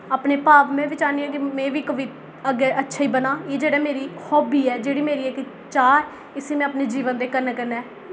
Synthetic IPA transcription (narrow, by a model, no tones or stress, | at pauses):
aːpneːpaːʋmɛ̃ːʋɪt͡ʃaːniːɛ̃ːkɪmɛ̃ːʋiːkəʋɪt̪ | əɡeːʔətːʃʰaːiːbənaːjeːd͡ʒeːɽaːmeːɾiːhɔːbiːɛːd͡ʒeːɽiːmeːɾiːɛːkɪ | t͡ʃaːɾ | ɪseːmɛ̃ːaːpneːd͡ʒiːʋənd̪eːkəɾnaːkəɾnɛː